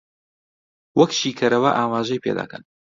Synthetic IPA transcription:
wɐkʃiːkʰɐɾɐwɐʔaːmaːʒɐjpʰḛd̪a̰ːkʰɐ̰n

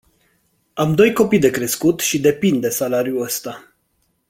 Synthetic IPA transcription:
amd̪o̞jko̞pijd̪e̞kɾe̞skut̪ʃid̪e̞pind̪e̞salaɾjuəst̪a

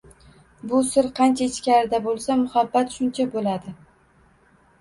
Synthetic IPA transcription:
bʊsɪɾqʰɑnt͡ʃʰaɪt͡ʃkʲaɾɪd̪abolˠsamʊhabːat̪ʃʊnt͡ʃʰabolad̪ɪ

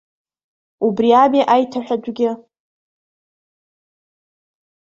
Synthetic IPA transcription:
ubriamiʔajtʰaħᶣad͡ʒʷɡʲɪ

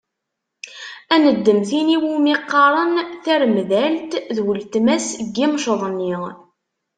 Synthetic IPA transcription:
ænəd̪ːəmθiniwumiqːɑɾˤənθæɾmðælt̪ðwəlt̪mæsɡːimʃəðˤnːiʁ

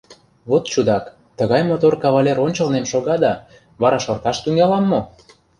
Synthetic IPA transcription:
βot̪t͡ɕud̪ɑk | t̪ə̆ɣɑjmot̪orkɑβɑlʲeɾonʲt͡ɕə̆lnemʃoɣɑd̪ɑ | βɑɾɑʃŏrt̪ɑʃt̪yŋɑlɑmːo

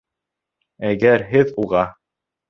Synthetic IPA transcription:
æɡæɾɦɘðuʁɑ

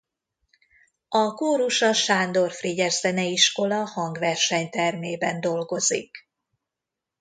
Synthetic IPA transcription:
ɒkoːɾuʃɒʃaːnd̪o̞rfriɟɛrzɛnɛiʃko̞lɒhɒŋɡʋɛrʃɛɲt̪ɛrmeːbɛnd̪o̞lɡo̞zḭk

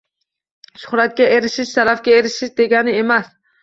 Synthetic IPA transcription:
ʃʊ̥hɾat̪̚kʲaeɾɪʃɪʃt̪aɾafkʲaeɾɪʃɪʃd̪e̞ɡʲanɪe̞mas

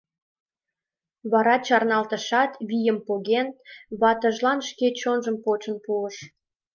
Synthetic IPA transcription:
βɑɾɑt͡ɕɑrnɑlt̪ə̆ʃɑt̪βijəmpoɣenβɑt̪əʒlɑnʃket͡ɕonʒəmpot͡ɕə̆npuəʃ

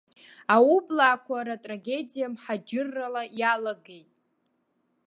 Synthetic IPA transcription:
aublaːkʷʰaɾatʼraɡʲe̞dijamħad͡ʒɪrːalajalaɡejtʼ

